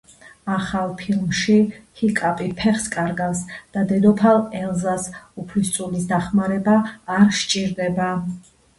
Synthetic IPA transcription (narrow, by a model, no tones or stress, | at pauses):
aχalˠpʰilˠmʃihikʼapʼipʰɛχskʼaɾɡasd̪̥ad̪ɛd̪ɔpʰalɛlˠzasupʰlist̪sʼulisd̪aχmaɾɛbaːɾʃt͡ʃʼiɾd̪ɛba